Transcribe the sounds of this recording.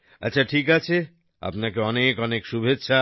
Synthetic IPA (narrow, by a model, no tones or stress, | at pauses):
ɐtːɕʰaʈʰik̬at͡ɕʰe | a̰pnakeɔnekɔnekʃubʱetːʃʰa